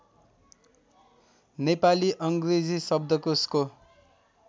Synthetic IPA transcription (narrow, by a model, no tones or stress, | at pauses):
nepaliʔʌŋɡred͡zisʌb̚d̪ʱʌkosko